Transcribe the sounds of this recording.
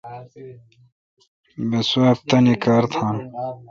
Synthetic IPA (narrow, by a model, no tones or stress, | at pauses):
besɐp̚t̪ɐnikaːɾt̪ʰaːn